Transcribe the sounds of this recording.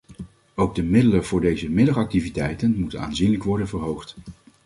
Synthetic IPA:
owɡ̚dəmɪdələv̥ʊːɹdejzəmɪdɑχɑk̚tivitɛjtənmutəna̰ːnzinləkʋɔɹdənvəɹɦowχt

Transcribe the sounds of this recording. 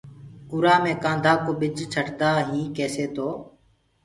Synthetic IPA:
ʊɾaːmẽːkãːnd̪ʱaːkoːɓɪd͡ʒt͡ʃʰəʈd̪aːɦĩːkeːseːt̪oː

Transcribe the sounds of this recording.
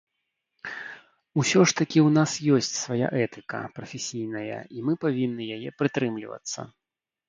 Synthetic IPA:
usʲɔʂt̪ɐkʲiwnasjɔsʲt͡sʲsvaja̰ʔɛt̪ɨkɐ̰pɾɐfʲesʲijnɐjɐ̰imɨpavʲinːɨjajɛpɾɨt̪ɾɨmlʲḭvɐ̰t̪sːɐ̰

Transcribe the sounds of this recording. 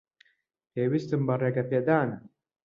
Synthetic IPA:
peːwist̪ɨmbɐreɡɐpeːd̪aːnɐ

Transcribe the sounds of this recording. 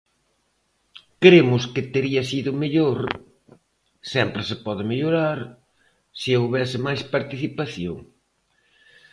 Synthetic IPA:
kɾemʊskɪt̪eɾiɐsiðʊmeʎoɾ | sɛmpɾɪsɪpɔðɪmeʎoɾaɾ | siowβɛsɪmajspaɾt̪iθipaθjo̰ŋ

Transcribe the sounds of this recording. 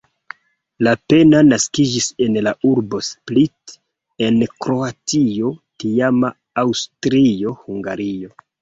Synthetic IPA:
lape̞nanaskid͡ʒise̞nlauɾbo̞split | e̞nkɾo̞atio̞tiamaː | wstɾio̞huŋɡa̰ɾio̞

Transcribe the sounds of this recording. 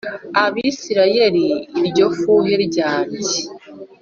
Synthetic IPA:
aβiːsiɾaje̞ɾiɾɟo̞fuːjeɾɟaːti

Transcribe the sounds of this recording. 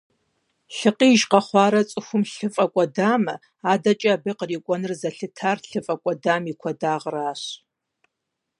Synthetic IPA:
ɬɨqiːʒqɐχʷɑːɾɐt͡sʼɨxʷʊmɬɨfʼɐkʷʼɐdaːmɐ̰ | aːdɐt͡ʃʼabɨqəriːkʷʼɔnɨrzɐɬɨtʰaːrɬɨfʼɐkʷʼɔdaːmikʷʰɐdaːʁraːɕ

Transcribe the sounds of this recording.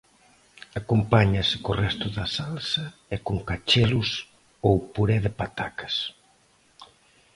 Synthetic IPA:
akompaɲɐsɪ̥korɛst̪ʊðɐsalsɐɛkoŋkat͡ʃelʊs | owpuɾɛðɪpat̪akɐ̥s

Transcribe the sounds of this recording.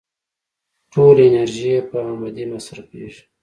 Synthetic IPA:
ʈolenaɾʒijepəamad̪imasɾapḛʒi̥

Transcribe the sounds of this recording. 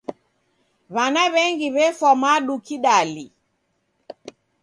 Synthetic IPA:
βanaβɛŋɡiβɛfɔmaɗukiɗali

